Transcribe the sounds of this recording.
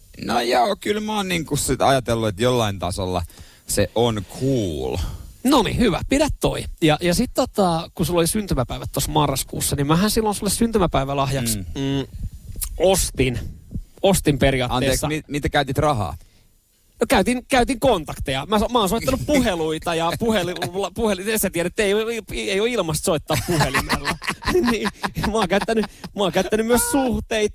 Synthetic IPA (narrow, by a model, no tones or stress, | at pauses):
nojoːkylmæoːnniŋkussit̪ɑ̰jɑt̪elːuet̪jolːɑint̪ɑso̰lːɑ̰ | seʔonkʰuːlnonḭhyʋæ̰pidæt̪to̰ijɑʔjɑsit̪ːot̪ɑkusulːolisynt̪ymæpæiʋæt̪tːosmɑrːɑskṵːsːɑnimmæhænsilːonsulːessynt̪ymæpæiʋælɑhjɑks | ost̪inost̪imperiɑːtɑeːesːɑimit̪ækæyt̪ʲit̪rɑɦɑ̰ː | nokæyt̪inkæyt̪iŋkont̪ɑkt̪ejɑmæsmæoːnsoit̪ːɑnuppuheluit̪ɑjɑpuhelilːɑpuheliesæt̪iæɾæet̪ːeijoiejoilmɑst̪soit̪ːɑːppuhelimelːɑniːmɑːŋkæyt̪ːænymɑoːŋkæyt̪ːænymmyøssuht̪eit̪